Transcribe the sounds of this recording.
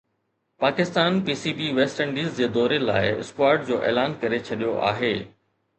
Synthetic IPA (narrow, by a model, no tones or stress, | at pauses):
paːkɪst̪aːnpiːsiːbiʋeːsʈɛ̃ɳɖiːzd͡ʑeːd̪ɔːɾela̰ːɪɪ̰skwaːɾʈ̚d͡ʑoːʔḛːlaːnkɐɾet͡ɕʰɐɗijoʔa̰ːɦeː